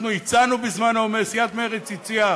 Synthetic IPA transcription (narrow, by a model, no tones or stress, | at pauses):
nuit͡sanubizmanhaomeʁsiat̪meʁet͡sit͡sia